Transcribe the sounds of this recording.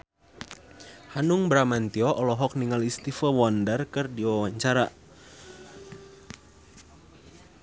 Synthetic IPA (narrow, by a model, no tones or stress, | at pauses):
hanuŋbɾamant̪iɔʔɔlɔɦɔk̚niŋalist̪ifəwɔndərkərdiwawaɲt͡ʃaɾa